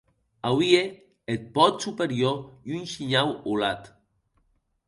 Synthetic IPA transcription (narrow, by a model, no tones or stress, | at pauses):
awie | et̪̚pɔt̪supeɾjojunʃiɲawolat̪